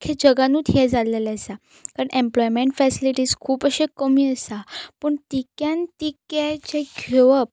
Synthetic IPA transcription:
kʰed͡ʑəɡanuːt̪ʰjɛd͡zalelaəsa | kaɾəɳʔẽmplɔjmeɳʈfɛsiliʈiːskʰuːpəɕekəmiːəsapəɳt̪ikjãnt̪ikjat͡ɕeɡʱeʋəp̚

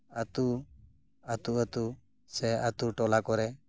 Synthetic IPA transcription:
at̪u | at̪uət̪u | sɛat̪uʈɔlakɔɾɛ

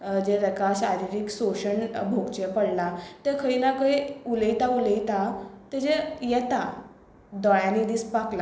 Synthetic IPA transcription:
d͡ʑeɾəkaɕaɾiɾiksoɕəɳbʱoɡt͡ɕepəɽlat̪ekʰəinakəiuləit̪auləit̪at̪ed͡ʑejɛt̪a | d̪ɔjãnid̪ispakla

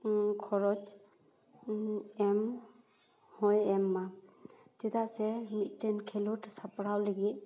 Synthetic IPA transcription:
kʰɔɾɔd͡ʒ | ɛm | hɔjɛmːatɛd̪asɛmit̚tenkʰeluʈsapɾawleɡi

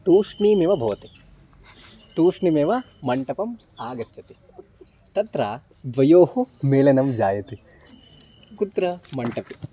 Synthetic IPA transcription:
t̪uːʂɳiːmeːʋɐbʱɐʋːɐt̪i | t̪uːʂɳimeːʋɐ | mɐɳʈɐpɐm | aːɡɐt͡ʃːɐt̪i | t̪ɐt̪ɾaː | d̪ʋɐjoːhumeːlɐnɐmd͡ʒaːjɐt̪i | kut̪ɾɐmɐɳʈɐpi

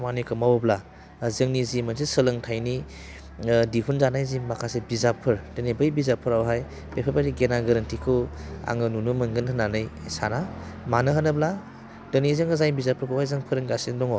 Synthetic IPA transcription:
manikʰɯmawbla | zɯŋnizimansesɯlɯŋtʰajni | diɦʰunzanajzimakʰasebizapʰɯɾdɯnibɯjbizapʰɯɾawɦaj | b̥epʰapʰaɾiɡenaɡɐɾɐntikʰɯa̰ŋɯnunumɯŋɡɯnhɐnanɯjsanamanɯɦɐnɯbla | d̥ɯnizɯŋɐzajnbizapʰɯɾkʰɯwhajzaŋpʰɯɾɯŋɡasindɔŋɔ

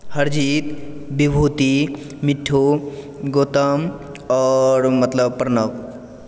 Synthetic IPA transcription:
həɾd͡ʒit̪bibʱut̪i | miʈʰːu | ɡoːt̪əm | ɔːɾmɐt̪ləbpəɾnək

